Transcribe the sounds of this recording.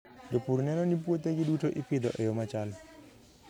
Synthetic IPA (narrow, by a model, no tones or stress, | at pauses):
dopuɾnɛnɔnip̬wot̪eɡidutoʔipɪd̪ɔʔɛjomat͡ʃal